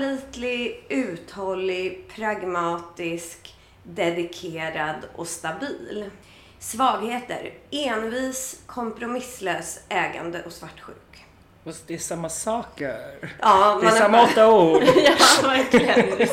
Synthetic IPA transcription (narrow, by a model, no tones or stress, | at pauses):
liːt̪lɪʉ̟ːt̪hɔlːɪpʰɾaɡmɑːt̪ɪsk | d̪ɛd̪ɪkʰeːɾad̪ʔɔst̪abiːl | svɑːɡheːt̪ə̰ɾeːnviːskʰɔmpɾʊmɪsløːsɛːɡa̰nd̪əʔɔsvaʈːɧʉ̟̰ːk | asd̪ɛsamːasɑːkæɾʔɑːmanaaɔt̪ːauːjɑvæɾk̪ɪɡə